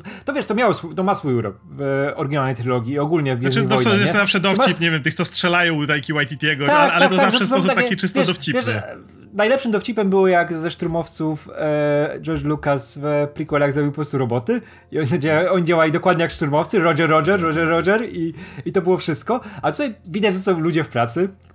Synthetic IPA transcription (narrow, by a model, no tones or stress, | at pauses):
t̪ɔvʲjɛʂt̪ɔmjawɔsfut̪ɔmasfujuɾɔ̰k | vɔɾɛɡʲinalnɛjt̪ɾɨlɔɡʲjiːɔɡulɲɛvɡʲɛziɔjɔɛɛszafʂɛd̪ɔt͡ɕipɲevʲjɛmt̪ɘk̪t̪sɔstʂɛlajɔ̃w̃t̪ajkʲiwajt̪it̪jɛɡɔakalɛkt̪ɔzaaafzʂɛssɔs̬t̪akt̪akit͡ʂɘstvʲj̪ɛd̪ɔft͡ɕivjɛʂɛ | najlɛpʂɘmd̪ɔft͡ɕipɛmbɘwɔjaɡzɛʂt̪ɾumɔft̪suf | d͡ʒɔɾt͡ʂlukasvpɾikwɛlaɡzɾɔbʲiuwpɔpɾɔst̪uɾɔbɔt̪ɘ | iɔɲd͡ʑaɔɲid͡ʑawalʲid̪ɔkwad̪ɲɛjakʂt̪uɾmɔft̪sɨɾɔd͡ʒɛɾːɔʐɛɾːɔd͡ʒɛɾːɔʐɛɾiit̪ɔbɘwɔfʂɘst̪̚kɔat̪ut̪ajvʲid̪ad͡ʑzat̪sɔ̃wlud͡ʑɛfpɾat̪sɘ